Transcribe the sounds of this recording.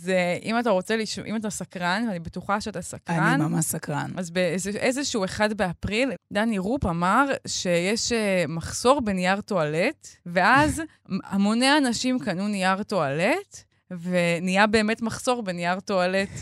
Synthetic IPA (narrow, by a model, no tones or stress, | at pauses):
zeʔimataʁo̞t͡se̞liʃʔḭmatasakʁanvanibetuχaʃeatasakʁanamasakʁanazbezeʔezeʃuue̞χadbeapʁild̪aniʁupamaʁʃe̞jeʃemaχso̞ʁbenijaʁto̞aletve̞ʔaz | amoneanaʃimkanunijaʁto̞alet | ve̞nijabe̞ːmetmaχso̞ʁbenijaʁto̞alet